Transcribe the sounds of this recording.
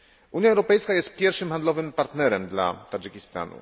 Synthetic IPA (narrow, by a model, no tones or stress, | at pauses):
ʔuɲʲjaɛwɾɔpɛjskajɛst̪̚pʲjɛɾfʂɘmxand̪lɔvɘmpaɾt̪nɛɾɛmd̪la̰t̪ad͡ʒɘkʲist̪a̰nṵ